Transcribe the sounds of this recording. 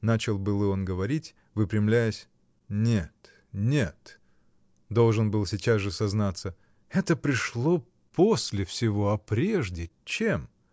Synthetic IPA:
nat͡ɕɪlˠbɨlˠɨo̞nɡəvɐɾʲitʲ | vɨpɾʲɪmlʲæjəsʲ | nʲet̪ | nʲet̪ | d̪o̞lˠʐɨnbɨlˠsʲɪt͡ɕazʐɨsɐznat̪sə | ɛt̪əpɾʲɪʂlˠo̞ | posʲlʲɪfsʲɪvo̞ɐpɾʲeʐdʲɪt͡ɕem

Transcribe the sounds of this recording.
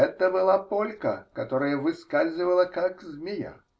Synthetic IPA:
ɛt̪əbɨlˠapolʲkə̰kɐt̪oɾəjəvɨskazʲɨvəlˠəkakzmʲɪja̰

